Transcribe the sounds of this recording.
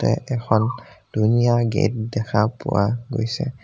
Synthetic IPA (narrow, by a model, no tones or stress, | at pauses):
tɛʔɛxʰɔnd̥unijaɡet̚dɛkʰapuwaɡojsɛ